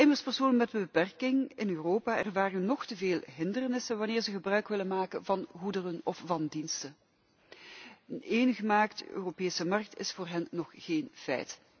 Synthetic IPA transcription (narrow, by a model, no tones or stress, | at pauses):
ɪmərspərsoːnənmɛtbəbəpɛrkɪŋɪnøːroːpaːɛrʋaːrənːɔxtəveːlˠɦɪndərnɪsənʋɑnɪːrzəɣəbrœɥkʋɪlənmaːkənvɑnɦudərənɔfvɑndinstə | əneːnɣəmaːktø̰ːropeːsəmɑrk̚tɪ̰sfoːrɦɛnːɔχːeːnfɛ̰jt